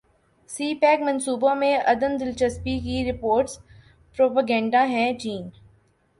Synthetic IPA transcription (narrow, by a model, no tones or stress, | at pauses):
siːpɛːkmɐ̃nsuːbõmẽʔɐd̪ənd̪ɪlt͡ʃəspikiɾɪpoːɾʈs | pɾoːpaɡɛ̃ːɳɖaɦɛ̃t͡ʃiːn